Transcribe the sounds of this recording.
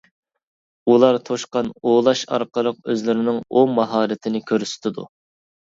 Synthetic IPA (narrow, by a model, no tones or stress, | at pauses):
ulˠɑɾt̪ʰoʃqɑnolˠɑʃɑ̰ɾqəlˠəq̚øzlɪɾɪnɪŋomɑɦɑːɾɪt̪ʰɪnɪkʲʰøɾsɪ̥t̪ʰɪd̪ṵ